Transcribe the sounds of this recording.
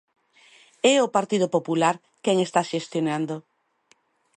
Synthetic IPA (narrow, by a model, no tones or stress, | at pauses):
ɛopaɾt̪iðopopulaɾ | kɛŋest̪aʃest̪jonand̪o